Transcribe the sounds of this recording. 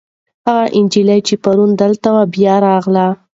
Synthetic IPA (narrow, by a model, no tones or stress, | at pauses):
haɣaʔɪnd͡ʒilajt͡ʃepaɾund̪əlt̪awabjɑɾɑɣla